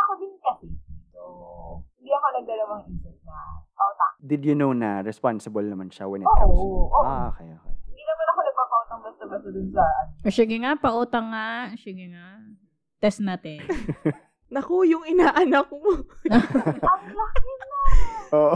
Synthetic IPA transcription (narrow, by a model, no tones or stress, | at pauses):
ɐkobɪkɐsɪsohɪ̃nd̪iɐkonɐɡ̚ɐlɐwɐŋʔiːsɪp̚nɐpɐʔoːt̪a̰ŋd̪ɪd̪jʊnownɐɾɛspansɪbɐlnɐmanʃɐwɛnʔoʔʔoʔoʔkɐja̰kɐjahɪnd̪inɐmanɐkonɐɡ̚maːpɐʔot̪ɐŋbɐst̪ɐbɐd̪ʊd̪ʊnsɐʔosɪɡɪŋapɐʔoːt̪ɐŋːasɪɡɪŋa | t̪ɛsnat̪ɛ | nɐkojʊŋɪnaːʔɐnɐkmo | ɐslɐkɪnaʔoːʔ